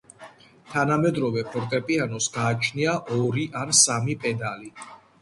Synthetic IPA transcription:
t̪ʰanamɛd̪ɾɔvɛpʰɔɾt̪ʼɛpʼianɔsɡaːt͡ʃʰniaʔɔɾiʔansamipʼɛd̪ali

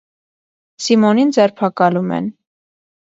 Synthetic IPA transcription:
simɔnind͡zɛɾpʰɑkɑlumɛ̰n

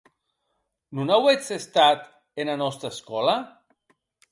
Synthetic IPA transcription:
nunawet͡sest̪at̪ | enanɔst̪ɾaeskɔla

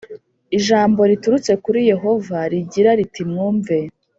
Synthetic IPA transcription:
iʒaːmbo̞ɾituɾut͡se̞kuɾije̞ɦo̞vaɾiɟiɾaɾitimŋuːɱve̞

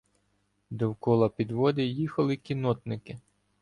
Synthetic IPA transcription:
d̪ɔwkɔlˠɐpʲid̪ʋɔd̪ɪjixɐlˠɪkʲinɔt̪nɪkɪ

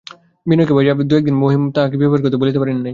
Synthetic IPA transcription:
minokebaɾiapd̪uɛk̚d̪inmoɦimt̪ãɦãkebibaɾkit̪obolit̪epaɾennaj

